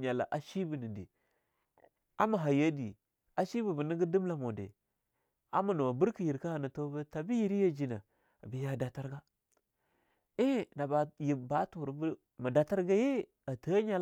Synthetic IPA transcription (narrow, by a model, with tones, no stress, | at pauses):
ɲa˨la̰˨ʔa˨ʃi˦bə˨ni˨dḭ˨ | a˦ma˨ɦa˨ja˦di˨ | a˦ʃi˦bu˨bə˨ni˦ɡə˦du˦m˦la˨mo˨dḛ˨ | a̰˦ma˨nu˨wa˨bu˦ɾki˨ji˨ɾka˦ha˨na˨to˦bə˦ta˨bi˦ji˦ɾi˦ja˦d͡ʒi˨na˨ | a˨bi˨ja˦da˨ta˦ɾɡa˦ | i˦na˨ba˨ji˨ba˦tu˨ɾbu˦ | ma˨da˨ta˦ɾɡa˦je˦ | a˨ta˦ɲa˨l